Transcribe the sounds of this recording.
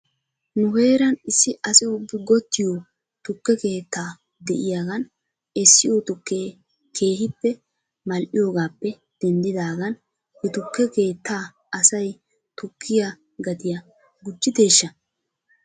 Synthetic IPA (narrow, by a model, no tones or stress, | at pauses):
nʊhe̞ːɾɐnɪsːɪʔɐsɪʊbːɪɡɔt̪ːɪjo | t̪ʊkːɛke̞ːt̪ːaː | d̪ɛʔɪjaːɡɐn | ɛsːɪjot̪ʊkːeː | kʰe̞ːhɪpːɛ | mɐlʔɪjoːɡaːpːɛ | d̪̥ɛnd̪ɪd̪aːɡɐn | hɛt̪ʊkːɛke̞ːt̪ːaː | ɐsɐj | t̪ʊkʰːɪja | ɡɐd̪ɪjɐ | ɡʊd͡ʒːɪt̪e̞ːʃːɐ